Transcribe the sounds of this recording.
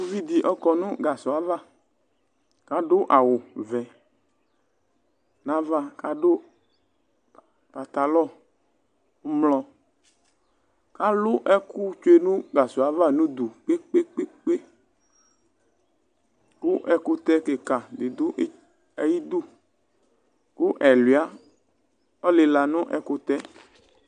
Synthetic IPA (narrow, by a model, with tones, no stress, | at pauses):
o˦vi˦d̪i˨ʔɔ˦kɔ˨nũ˦ɡa˨sʊ˨a˨va˦˨ | ka˦ɖʊ˦ʔa˨wʊ˨vɛ̃˨ | nã˦va˦ka˦ɖo˦ | pa˨t̪a˨lɔ˦˨˦ | mlɔ˨ | ka˦lʊ˦ʔɛ˦ku˦t͡ʃo˦e˦nũ˦ɡa˨su˨a˨va˦˨nũ˦d̪u˨k͡pe˦k͡pe˦k͡pe˦k͡pe˦ | ku˦ʔɛ˨ko˦t̪ɛ˦ke˨ka˨d̪e˨d̪ʊ˦ | ɛ˨ji˦d̪u˦ | ku˦ʔɛ˨li˨a˦ | ɔ˦le˨la˨nʊ̃˦ʔɛ˨ko˦t̪ɛ˦